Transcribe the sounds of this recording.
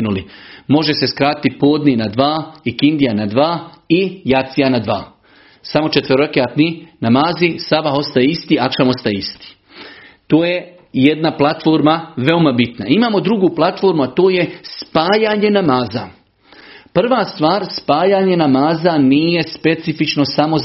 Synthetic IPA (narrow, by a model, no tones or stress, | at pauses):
nulimo̞ʒese̞skɾaːt̪it̪po̞ːd̪ninad̪ʋaːikind̪ijanad̪ʋaːijat̪sijanad̪ʋaː | samo̞t͡ʃet̪ʋəɾokeat̪ninamaːzisabaɦo̞st̪ajeist̪iːakʃamo̞st̪ajeist̪i̥ː | t̪oːje | jed̪naplˠat̪fo̞ːɾmaʋe̞omabit̪na̰imaːmo̞d̪ɾuɡuːplˠat̪fo̞ɾmuat̪oːje̞spaːjaːɲe̞namaːza | pr̩ʋaːst̪ʋaːɾspaːjaːɲe̞namaːzaniːje̞spe̞t̪sifit͡ʃno̞samo̞z